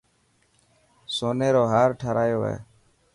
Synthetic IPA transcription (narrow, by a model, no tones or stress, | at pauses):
soːneːɾoːɦaːɾʈʰaɾaːjoːɦɛ̰ː